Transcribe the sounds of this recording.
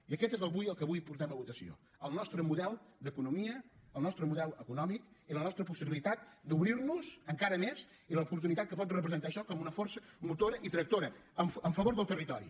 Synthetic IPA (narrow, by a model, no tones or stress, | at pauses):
iəkɛt̪ezəlˠβujəlˠkəβujpuɾt̪ɛməβut̪əsio̰ | əlˠnɔst̪ɾəmuðɛlˠd̪əkunumiəəlˠnɔst̪ɾəmuðɛlˠəkunɔmikilənɔst̪ɾəpusiβilit̪at̪̚d̪uβɾirnuzəŋkaɾəmez | iləupuɾt̪unit̪at̪̚kəpɔt̪rəpɾəzənt̪aəʃɔkɔmunəfɔɾsəmut̪oɾəʔit̪ɾək̚t̪oɾəəɱəɱfəβoɾðəlˠt̪ərit̪ɔɾḭ